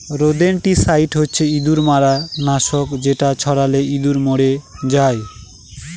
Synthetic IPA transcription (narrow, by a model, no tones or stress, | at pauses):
ɾod̪enʈisaiʈɦotːɕʰeid̪uɾmaɾanaʃokd͡ʑeʈat͡ɕʰɔɽaleid̪uɾmoɽed͡ʑae